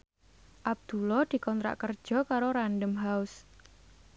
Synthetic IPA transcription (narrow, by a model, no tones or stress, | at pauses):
ʔab̚d̪̥ṳlɔd̪̥i̤kɔnt̪ɾa̰ʔkərd̥ʒ̥ɔ̤kaɾoɾanɖəmɦaʊs